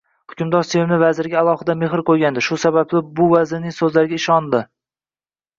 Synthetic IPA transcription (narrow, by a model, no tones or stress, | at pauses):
hʊkʲʰʊmd̪ɒɾsevɪmnɪvazɪɾɪɡʲaːlˠɒhɪd̪ame̞ɦɪɾqʰojɡʲand̪ɪʃʊsabaplɪbʊvazɪɾnɪŋsɵzlaɾɡʲaɪʃɒnd̪ɪ